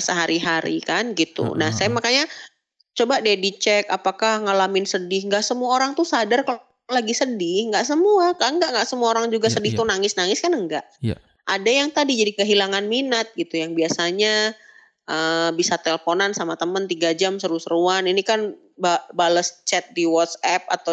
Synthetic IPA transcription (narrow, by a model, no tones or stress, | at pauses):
səɦaɾiɦaɾḭkanɡit̪ṵnahsajamakaɲa | t͡ʃobadiadit͡ʃɛkapakahŋalamɪnsədɪhŋɡaʔsəmuaoɾaŋt̪usadarkə | laɡisədɪhŋɡaʔsəmuakaʔəŋɡaʔŋɡaʔsəmuaoɾaŋd͡ʒuɡasədɪht̪unaŋɪsnaŋɪskanəŋɡaʔ | adajaŋt̪adid͡ʒadikəɦilaŋanminət̪̚ɡit̪ujaŋbiasaɲa | ʔəbisat̪ɛlfonansamat̪əmənt̪iɡad͡ʒamsəɾusəɾuaninikan | babaləst͡ʃɛt̪̚diwɔt̪sɛp̚a̰t̪a